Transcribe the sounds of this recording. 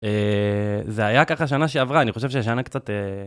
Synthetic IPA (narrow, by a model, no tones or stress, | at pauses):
e | zeajakaχaʃ̬anaʃeavʁaːniχo̞ʃe̞vʃeʃ̬anakt͡sat̪e